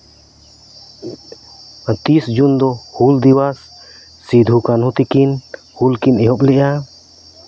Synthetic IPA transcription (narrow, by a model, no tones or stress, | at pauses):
t̪isd͡ʒund̪ɔhuld̪iwasː | id̪ʱukanɦũt̪ikin | hulkinɛɦɔplɛʔa